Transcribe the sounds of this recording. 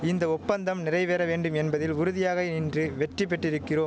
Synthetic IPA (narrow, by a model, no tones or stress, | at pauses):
ɪnd̪ɐɔpːɐnd̪ɐmnɪrɐɪʋeːɾɐʋeːɳɖɯmɛnbɐðɪlʊɾʊðɪjaːɣɐniːndrɯʋɛʈrɪpːɛʈːɪɾɯkːɪroːm